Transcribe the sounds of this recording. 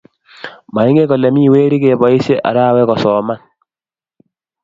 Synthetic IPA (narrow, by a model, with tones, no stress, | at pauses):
ma˨i˦ŋɡe˦kɔ˨lɛ˨mi˦˨we˦ɾi˦ke˨bɔ˨i˦se˦ʔa̰˨ɾa˦˨wɛ˦kɔ˨sɔ˨ma˦n